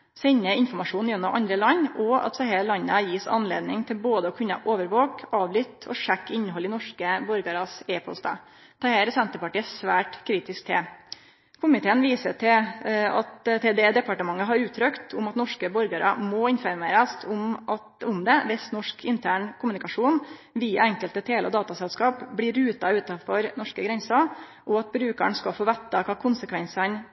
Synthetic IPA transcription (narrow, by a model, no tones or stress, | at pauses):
sɛɲːəɪnfɔmɑʂuːnjɛnːɔmʔɑ̰nd̪ɾəlɑɲːɔɑ̰t̪sɑhelɑnːəæɾjiːsɑ̰nlḛːd̪nɪŋt̪ʰɪlboːd̪əɔkʰʉnːɑ̰ʔoːʋəɾʋoːkɑːʋlʏt̪ʰɔ̰ʂækːɪnːəɦɔlɪnɔʂkəbɔɾɡɑɾɑsɛpʰɔ̰lst̪ɑ̰ː | t̪ʰɑheːɾsɛnt̪əpɑʈiːəsʋæːʈkʰɾiːt̪ɪsk̚t̪ʰɛ | kʰʊmɪt̪ʰeːənʋiːsət̪ʰɪlɑt̪t̪ʰed̪ed̪ɛpɑʈəmɑŋːəɦɑɾʉːt̪ʰːɾœkt̪ʰʊmɑt̪nɔʂkəbɔɾɡəɾɑ̰mɔɪnfɔɾmeːɾəst̪ʰʊm | ʊmd̪ɛʋɪsnɔʂkʰɪnt̪ʰæːɳkʰʊmʉnɪkɑʂuːnʋiːɑɛŋkəlt̪ət̪ʰeːlʔɔ̰d̪ɑːt̪ɑsɛlskɑːpblɪɾʉːt̪ɑʉːt̪ɑfɔɾnɔʂkəɡɾɛnsɑʔɔɑt̪̚bɾʉːkə̰ɳskɑfoːʋɛnt̪ːɑkʰɑːkʰʊnsəkʰʋɛnsɑn